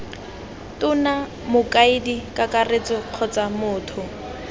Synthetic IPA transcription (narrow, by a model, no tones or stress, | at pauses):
tʊna | mʊkaɪdikʼakʼaret͡sɔq͡χʰɔt͡samʊːtʰʊ